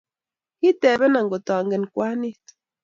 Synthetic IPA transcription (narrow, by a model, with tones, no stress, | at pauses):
hi˦tɛ˨βɛ˦na˨ŋɡo˨tɔ˨ŋɡɛ˨n˨kwa˦ni˦t